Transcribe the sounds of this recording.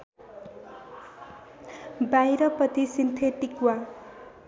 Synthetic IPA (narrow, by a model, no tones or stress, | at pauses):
bajɾʌpʌt̪isint̪ʰeʈikwa